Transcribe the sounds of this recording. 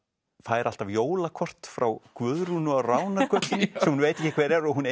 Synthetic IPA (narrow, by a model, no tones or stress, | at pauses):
faːjɾʔal̥t̪avjoːwlakʰɔr̥t̪fɾawkvʏðɾunʏarawnḁkʰœt̪lɪnsɛmhunvejt̪ɛcːɪkʰvɛːɾɛɾɔɣɦune